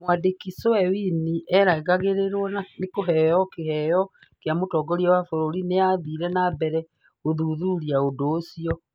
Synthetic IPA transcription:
mwadekisoɛwiniʔɛɾaeɣaɣeɾeɾwɔnanekoɦɛjɔkehɛjɔ | kjamotɔɡɔɾiɔwafoɾoɾineaðiɾɛnabɛɾɛ | oðuðuɾiaodoːsiɔ

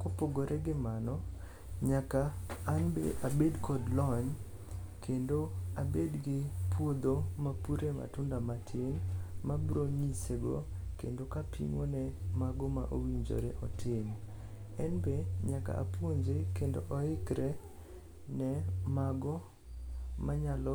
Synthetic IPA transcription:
kopoɡoɾʔɛɡɪmanɔ | ɲakaːnbeʔabedkʰɔdlɔɲ | kʰendoabedɡɪpwod̪omapuɾema̰tʊndamatʰɪnmabɾoɲiseɡo̰kendokapʰḭŋonɛmaɡɔmaʔowiɲd͡ʒo̰ɾeʔɔtʰɪm | ɛnbeɲaka̰ʔa̰pwoɲd͡ʒekendoʔɔɪkɾɛ | nɛmaɡɔ | maɲalɔ

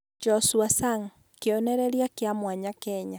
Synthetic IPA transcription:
d͡ʒɔsuasaŋ | keonɛɾeɾjakeamwaɲakɛɲa

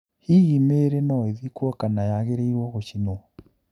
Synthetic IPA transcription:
hiɣimeɾenɔeðikwɔkanajaɣeɾeiɾwɔɣoɕinɔ

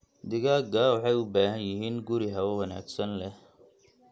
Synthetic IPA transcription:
d̪ɪɣaːɡaːwɑħɑjʊbaːɦɐnjɪɦiːnɡʊɾɪɦɐwɔwɐna̰ːɡsɐnlɛ

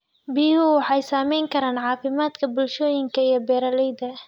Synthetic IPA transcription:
biːhʊwɑħɑjsaːmɛjŋkʰɐɾaːnʕɑːfɪmaːd̪kʰɐbʊlʃɔːjɪŋkʰɐijɔbɛːɾɐlɛjðɐ

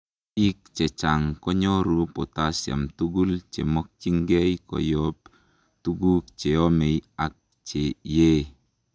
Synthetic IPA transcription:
ik̚t͡ʃet͡ʃaŋkɔɲɔɾupot̪asja̰mt̪uɡult͡ʃḛmɔk̚t͡ʃiŋɡejkɔ̰jɔp | t̪uɡukt͡ʃeomejak̚ | t͡ʃeje

